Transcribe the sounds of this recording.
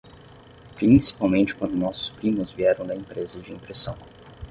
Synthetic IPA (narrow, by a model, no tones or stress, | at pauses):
pɾĩsi̥pawmẽnt͡ʃɪ̥kwɐ̃nd̪ʊnɔsʊ̥spɾĩmʊzviɛɾɐ̃w̃d̪ɐẽpɾezɐd͡ʒɪĩmpɾesɐ̃w̃